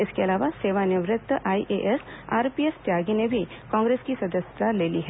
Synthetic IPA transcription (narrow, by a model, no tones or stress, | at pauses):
ɪskeɐlaːʋaseːʋanɪʋɾɪt̪ːʔaiʔeʔesa̰ːɾpiest̪jaːɡinebʱi | kɔ̃ːŋɡɾeskisɐd̪əst̪aleːliɦɛ